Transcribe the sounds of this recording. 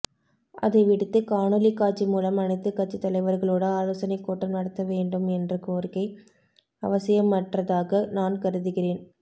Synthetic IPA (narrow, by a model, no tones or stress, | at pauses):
ʔɐ̰ðɐɪʋɪɽɯt̪ːɯkaːɳɔlikːaːʈt͡ʃːimuːlɐmɐnɐɪt̪ːɯkɐt͡ʃːɯt̪ːɐlɐɪʋɐɾɣɐɭoːɽɐaːloːsɐnɐɪkːoːʈːɐmnɐɽɯt̪ːɐʋeːɳɖɯmɛndrɯkoːɾkɐɪ | ɐ̰ʋɐsɪjɐmːɐʈrɐðaːɣɐnaːnkɐɾɯðɯɣɪreːn